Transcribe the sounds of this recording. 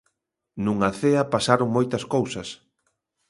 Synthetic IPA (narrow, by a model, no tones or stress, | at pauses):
nuŋaθeɐpasaɾoŋmojt̪ɐskowsɐs